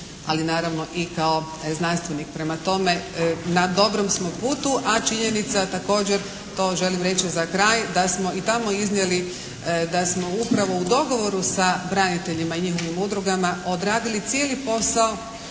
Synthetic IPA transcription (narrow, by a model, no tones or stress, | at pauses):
a̰linaːɾaʋno̞ʔikao̞ | znanst̪ʋe̞nik̚pɾe̞mat̪o̞me̞nad̪o̞bɾomsmo̞puːt̪uʔat͡ʃiɲe̞nit̪sat̪ako̞ːd͡ʑe̞ɾ | t̪o̞ːʒe̞limɾe̞t͡ɕizakɾaːjd̪asmo̞it̪amo̞iznjeli | d̪asmo̞upɾaʋo̞ud̪o̞ɡo̞ʋo̞ɾusabɾanit̪e̞ʎimaiɲixo̞ʋimud̪ɾuɡamaod̪ɾaːd̪ilit̪sjeːlipo̞sao̞